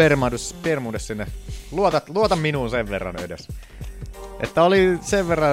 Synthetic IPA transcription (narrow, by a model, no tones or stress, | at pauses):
ermɑd̪uspiermuːdessinːeluot̪ɑluot̪ɑmminuːnseʋʋerːɑ̰nḛdḛs | ʔḛt̪ːæoliseʋʋerːɑ